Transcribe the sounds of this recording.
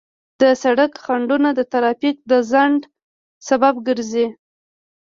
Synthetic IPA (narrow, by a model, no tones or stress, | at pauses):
d̪̥əsaɽakxaɳɖunad̪ət̪aɾɑfik̚d̪əzaɳɖ | sababɡəɾzi